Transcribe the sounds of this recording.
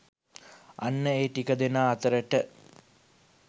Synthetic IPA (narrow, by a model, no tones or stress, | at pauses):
a̰nːəeːʈikəd̪enaːt̪əɾəʈə